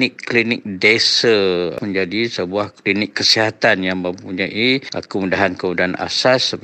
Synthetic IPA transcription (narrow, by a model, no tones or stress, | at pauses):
ɪkːlinɪk̚desəməɲd͡ʒadisəbuahklinɪkːəsiɦat̪anjaŋmə̃mpuɲaʔiʔa̰kumudaɦankəmudaana̰sas